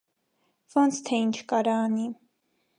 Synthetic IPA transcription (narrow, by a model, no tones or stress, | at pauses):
vɔnt͡sʰt̪ʰɛint͡ʃʰkɑɾɑːni